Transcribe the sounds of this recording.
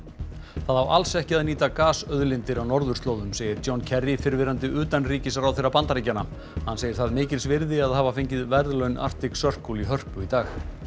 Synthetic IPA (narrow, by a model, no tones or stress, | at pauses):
θaðhawʔa̰lsɛhcɪaðniːt̪akaːsœðlɪnt̪ɪɾawnɔɾðʏ̥st̪loːwðʏmseːjɪɾtjowncʰɛrɪfɪɾvɪɾant̪ɪʔʏːt̪anriːcɪsaɾawθejrapant̪aɾicːana | hanːseːjɪɾ̥θaðmɪːcɪlsvɪɾðɪaðɦaːvafeɲcɪðvɛɾðlœɥnʔa̰r̥t̪ɪksœr̥kuliɦœr̥pʏit̪aːx